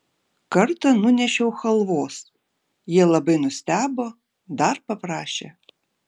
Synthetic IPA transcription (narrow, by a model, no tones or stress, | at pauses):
kɐrt̪ɐnunʲɛʃɛwxɐlˠʋɔs | jɛlˠɐbɪnʊsʲt̪ʲabɔ | d̪ɑrpɐpɾaʃɐ̰